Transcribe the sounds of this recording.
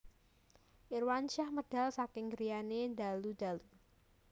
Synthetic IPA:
ʔirwanʃahməɖ̥a̤lsakɪŋɡɾijanendalud̥alu

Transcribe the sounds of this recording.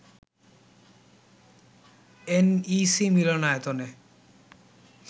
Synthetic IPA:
enisimilonaet̪one

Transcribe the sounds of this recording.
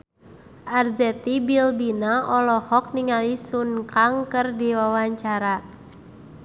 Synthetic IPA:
ʔarzɛt̪ibilbinaʔɔlɔhɔk̚niŋalisunkaŋkɨrdiwawaɲt͡ʃaɾa

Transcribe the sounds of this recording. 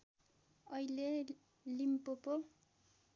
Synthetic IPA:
ʌile | limpopo

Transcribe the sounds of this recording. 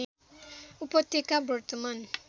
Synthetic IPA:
upotekabuɾtman

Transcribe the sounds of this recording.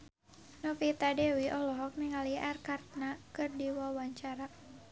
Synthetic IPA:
nɔfit̪adɛwiʔɔlɔɦɔk̚niŋaliʔarkart̪̚nakɨrdiwawaɲt͡ʃaɾa

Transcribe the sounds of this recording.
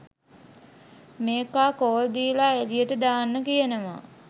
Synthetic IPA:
meːkaːkoːld̪iːlaelijəʈəd̪aːnːəkijənəma̰

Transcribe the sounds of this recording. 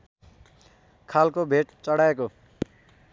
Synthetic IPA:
kʰalkobʱeʈt͡sʌɽaeko

